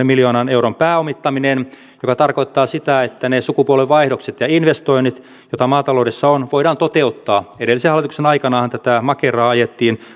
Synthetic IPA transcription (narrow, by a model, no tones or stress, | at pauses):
emiljoːnɑnewrompæːomit̪ːɑminen | jokɑt̪ɑrkoit̪ːɑːsit̪æet̪ːænesukupuoleʋʋɑihdokset̪jɑinʋest̪oinit̪ | jot̪ɑmɑːt̪ɑloːdesːɑonʋoiɾɑːnt̪ot̪eut̪ːɑːeɾelːisehɑlːˑit̪uksenɑikɑnɑhɑnt̪æt̪æmɑkerɑːɑjet̪ːiːn